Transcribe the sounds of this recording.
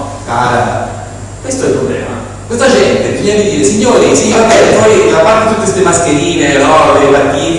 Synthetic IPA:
ka̰ɾa | kwest̪oɛlpɾoblɛ̰ːma̰ | kwest̪ad͡ʒɛnt̪ekːimiakːid̪iːɾesiɲːoːɾisiɲːoːɾabɛepɔjiapːaɾt̪et̪uk̪ːwest̪emaskeɾiːnenɔvepakːiː

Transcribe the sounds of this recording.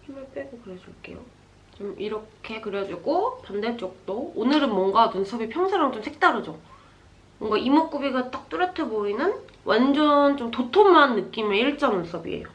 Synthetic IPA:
himɯɭp͈eɡokɯɾed͡ʑuɭk͈e̞̰jo | t͡ɕomiɾʌkʰe̞kɯɾjʌd͡ʑuɡopandeɭt͡ɕ͈ʌk̚t͈oːnɯɾɯnmwʌŋɡanunsʰʌbipʰjʌŋsʰaɾaŋt͡ɕomsʰek̚t͈aɾɯd͡ʑo | mʌŋɡaʔimok͈ubiɡat͈ak̚t͈uɾjʌtʰeboinɯn | wʔand͡ʑʌnt͡ɕomtotʰomanːɯk͈imeiɭt͡ɕ͈ʌŋunsʰʌbḭḛjo̰

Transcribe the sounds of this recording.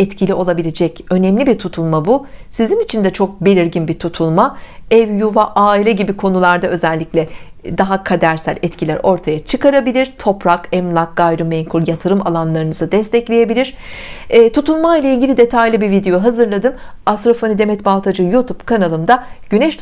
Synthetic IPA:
ɛt̪cʰilʲiʔo̞lˠabilʲed͡ʒɛcø̞nɛmlʲibit̪ʰut̪ʰulˠmabusizinit͡ʃʰind̪ɛt͡ʃʰo̞k̚belʲiɾɟinbit̪ʰut̪ʰulˠmaɛvjuvaʔaːilʲɛɟibikʰo̞nulˠaɾd̪aø̞zɛlʲːicʲlʲɛd̪aɦakʰad̪æɾsælʲɛt̪cʰilʲæɾo̞ɾt̪ʰajat͡ʃʰɯkaɾabilʲiɾ̥t̪ʰo̞pɾakɛmlˠak̚ɡ̥ajɾɯmɛɲkʰuɾjat̪ʰɯɾɯma̰lˠanlˠaɾɯnɯzɯd̪ɛst̪ʰɛclʲeje̞bilʲiɾ̥ː | t̪ʰut̪ʰulˠmajlʲˠailʲɟilʲid̪e̞t̪ʰajlˠɯbivid̪e̞joɦazɯɾlˠad̪ɯm | ast̪ɾofanid̪emɛt̪balˠt̪ʰad͡ʒɯjut̪ʰubkʰanalˠɯmd̪aɟ̥ynɛʃ

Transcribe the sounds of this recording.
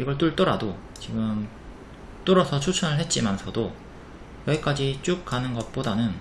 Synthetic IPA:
iɡʌɭt͈uɭt͈ʌɾado | t͡ɕiɡɯm | t͈oɾʌsʰʌt͡ɕʰut͡ɕʰʌnɯɭhe̞t̚t͡ɕ͈imansʰʌdo | jʌik͈ad͡ʑit͡ɕ͈uk̚k͈anɯnɡʌt̚p͈odanɯn

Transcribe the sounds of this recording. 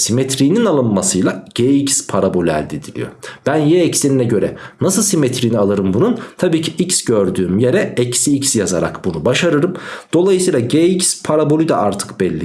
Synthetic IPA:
simet̪ʰɾijninalˠɯnmasɯjlˠaɟ̥eicspʰaɾabo̞lʲyæ̰lʲd̪ed̪ilʲḭjo̞̰b̥ænjɛɛcseninɛɟø̞ɾɛnasɯlˠsimet̪ʰɾiːnialˠɯɾɯmbununt̪ʰabiːcʰiʔicsɟøɾd̪yːmjeɾɛɛcsiicsjazaɾa̰kbunubaʃaɾɯɾɯmd̪̥o̞lˠajɯsɯjlˠaɟeicspʰaɾabo̞lʲyd̪aʔaɾt̪ʰɯ̥kbɛlʲːi

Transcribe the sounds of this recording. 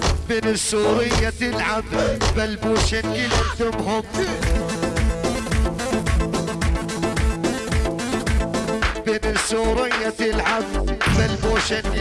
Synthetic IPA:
bɪnɪsːuːɾɪjːat̪ɪlʕambalbuːʃɪnɪlɪd̪ʊmhʊm | bɪnɪsːuːɾɪjːat̪ɪlʕambalbuːʃɪn

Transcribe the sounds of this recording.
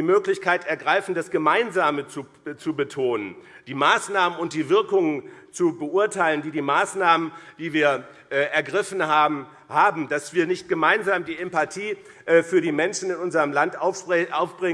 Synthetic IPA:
diːmøːklɪçkʰaɪtɛɐɡʁaɪfn̩dasɡ̥əmaɪnzaːmət͡su | t͡subətʰoːnənd̥iːmaːsnaːmənʊnt̚d̥iːvɪɐkʊŋənt͡subəʔʊɐtʰaɪləndiːdiːmaːsnaːmənd̥iːviːɐ | ʔɛːʔɛɐɡʁɪfn̩haːbm̩ | haːbm̩d̥asv̥iːɐnɪçt̚ɡ̥əmaɪnzaːmdiːʔɛmpatʰiː | ʔfyːɐɾiːmɛnʃn̩ɪnʔʊnzɐʁəmlantʔʊʔaʊfb̥ʁɪ

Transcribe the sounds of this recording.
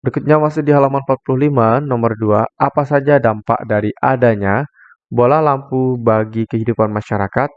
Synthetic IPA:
bəɾikut̪̚ɲamasʊdiɦalamanpat̪̚pulʊhlimanɔmərduaʔapasad͡ʒadampa̰ʔdaɾiʔadaɲa | bolahlampubaɡikəɦidupanmaʃaɾakat̪̚

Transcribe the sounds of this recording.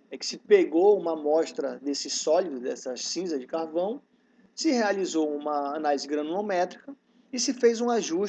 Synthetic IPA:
ɛkɪ̥sɪpeɡoũmɐmɔʃt̪ɾɐd̪esɪsɔlid̪ʊd̪ɛ̰sɐsĩzɐzd͡ʒɪkaɾvɐ̃w̃ | sɪhealizoũmɐːnalizɪɡɾɐ̃nõnomɛt̪ɾikɐ | ɪsɪfejzũaʒuʃ

